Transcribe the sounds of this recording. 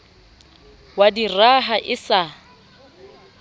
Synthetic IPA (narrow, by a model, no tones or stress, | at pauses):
wadiraɦaʔɪsa